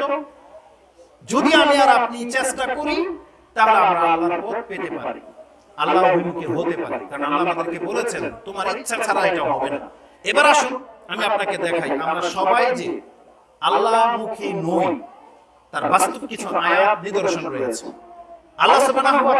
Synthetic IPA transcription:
o | d͡ʑod̪iamiaɾapnit͡ɕeʃʈakoɾi | t̪aɦoɾaamɾaalːaɾpot̪̚pet̪epa̰ɾḭ | alːaɾobʱimukʰeɦot̪epa̰ɾḭkaɾonamlamad̪eɾkebolet͡ɕʰent̪omaɾitːɕʰakʰaɾaeʈaoɦɔbena̰ | ebaɾaʃunamiapnaked̪ɛkʰajamɾaʃɔbajd͡ʑe | alːaɾmukʰenoj | t̪aɾbast̪ob̚kit͡ɕʰuajat̪nid̪oɾʃonɾoeat͡ɕʰḛ | alːasobanaɦɔba

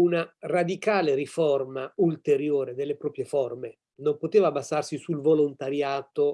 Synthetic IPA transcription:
unarad̪ikaːleɾiformault̪eɾjoːɾed̪elːepɾɔːpɾjefɔrme | nompot̪eːvabːasarsisulvolont̪aɾjaːt̪o

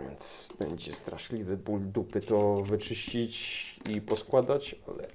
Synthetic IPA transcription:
nt̪sbɛɲd͡ʑɛst̪ɾaʂlʲivɘbuld̪upɘt̪ɔvɘt͡ʂɘɕt͡ɕit͡ɕipɔskwad̪at͡ɕa̰lɛ̰

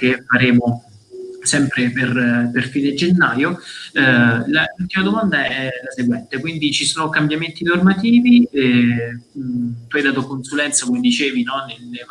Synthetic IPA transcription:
k̟efːaɾeːmo | sɛmpɾeperperfiːned͡ʒenːaːjo | lalult̪imad̪omand̪aɛlaseɡwɛnt̪ekwind̪it͡ʃisoːnokambjament̪inormat̪iːviɛ | t̪uajd̪aːt̪̬okonsulɛnt̪sakomed̪it͡ʃeːvinɔnel

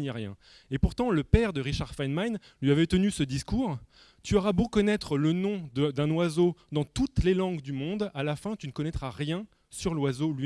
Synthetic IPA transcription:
naʁjɛ̰̃ | epuʁt̪ɑ̃ləpɛʁd̪əʁiʃaʁfanman | lɥiavɛt̪ənysəd̪iskuːʁ | t̪yɔʁabokɔnɛt̪χlənɔ̃d̪d̪ɛ̃nwazod̪ɑ̃t̪ut̪lelɑ̃ɡd̪ymɔ̃d̪alafɛ̃t̪ynəkɔnɛt̪χaʁjɛ̃ | syʁlwazoli

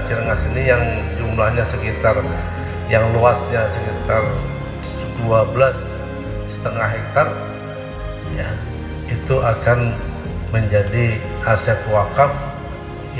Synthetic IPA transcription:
t͡ʃiɾŋasinijaŋd͡ʒumlahɲasəkit̪ar | jaŋluasɲasəkit̪ar | duabəlas | sə̥t̪əŋaɦɛk̚t̪ar | ja | it̪uakan | məɲd͡ʒadi | asɛt̪wakaf

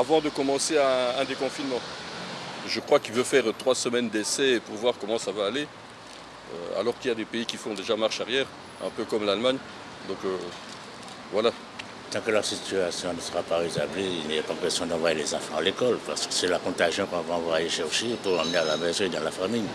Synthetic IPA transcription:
avɑ̃d̪əkɔmɑ̃seɛ̃ːd̪ekɔ̃finmɑ̃ | ʒəkχwakilvøfɛʁt̪χwasəmɛnd̪ɛsɛpuʁvwaʁkɔmɑ̃savaːle | ø̰a̰lɔʁkiljad̪epeikʲifɔ̃d̪eʒamaʁʃaʁjɛːʁ | ɛ̰̃pøkɔmlalmaɲ | d̪ɔ̃kø | vwala | t̪ɑ̃kələʁsit̪yasjɔ̃nəsə̥ʁapaezableilniʁɛpakɛsjɔ̃d̪ɑ̃vwajelezɑ̃fɑ̃alekɔlpaʁsə̥kə̥sɛlakɔ̃t̪aʒjɑ̃kɔ̃vɔ̃ãvwaʁaleʃɛʁʃepuʁɑ̃mənealamɛzɔ̃ed̪ɑ̃lafamij

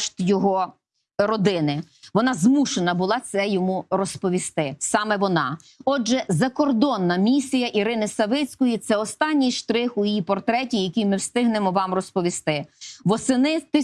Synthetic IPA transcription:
ʃt̪jɔɦɔ | ɾɔd̪ɪnɪ | ʋɔnɑzmuʃenɐbʊlˠɑt̪sɛjɔmurɔspɔʋʲist̪ɪsɑmɛʋɔnɑ | ɔd͡ʒʒɛzɐkɔrd̪ɔnːɐmʲisʲijɐʔiɾɪnɪsɐʋɪt͡sʲkɔjit̪sɛɔst̪ɑnʲːijʃt̪ɾɪxʊjipɔrt̪ɾɛtʲijɐkʲijmɪwst̪ɪɦnemɔʋɑmrɔspɔʋʲist̪ɪʋɔsɪnɪt̪ɪ

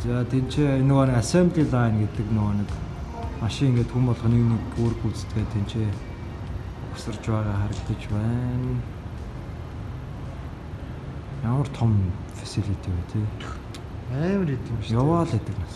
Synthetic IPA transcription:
t͡saːt̪ʰent͡ɕʰeːenʊɣaːnĭkasempɮiːɮaːnɡet̪ɘ̆knʊɣɔːnĭk | maʃɪŋeŋɡeːt̪xumpɔɮχɞ̆niwnikoːɾɘ̆xut͡sɘ̥t̪ɡeːt̪ʰent͡ɕʰeː | ʊksə̆rt͡ɕpæːʁaːχæɾə̆kt̪ə̆t͡ɕpæːn | jamə̆r̥t̪ʰɔmfḁsiɮit̪ʰiːpæːt̪ʰeː | æːmɾit̪̆kjawaːɮet̪ə̆knas

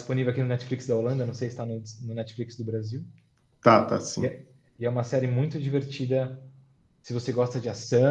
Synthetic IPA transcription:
isponivewakinʊnɛt͡ʃɪ̥fliksd̪ɐolɐ̃nd̪ɐnɐ̃w̃sejsɪ̥t̪anʊnʊnɛt͡ʃɪ̥fliksd̪ʊbɾaziw | t̪at̪a̰sḭ̃ɛ | ɪɛũmɐsɛɾɪmũj̃t̪ʊd͡ʒiveɾt͡ʃid̪ɐ | sɪvoseɡɔst̪ɐd͡ʒɪasɐ̃

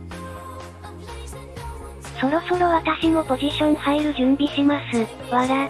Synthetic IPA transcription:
so̞ɾo̞so̞ɾo̞βat̪aɕino̞po̞ʑiɕõ̞ɲ̟ihaiɾɯ̟ʑɨ̃mbʲiɕimasɨ | βaɾa

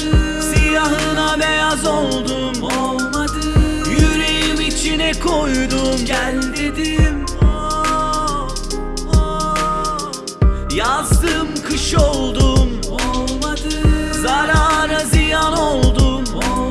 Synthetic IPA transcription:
sijaɦɯnabe̞jazo̞lˠd̪um | jyɾejimit͡ʃʰinɛkʰo̞jd̪umæld̪ed̪im | jazd̪ɯmkʰɯʃo̞lˠd̪um | zaɾaːɾazijano̞lˠd̪um

